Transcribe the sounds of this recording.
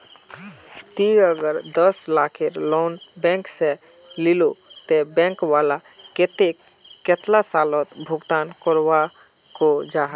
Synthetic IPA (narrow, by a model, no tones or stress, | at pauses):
t̪iəɡəɾd̪əslakʰeɾlonbɛ̃ŋkselilot̪ebɛ̃ŋkwalaket̪ekːet̪lasalɔt̪bʱuɡt̪ankɔɾʋakod͡ʒaɦə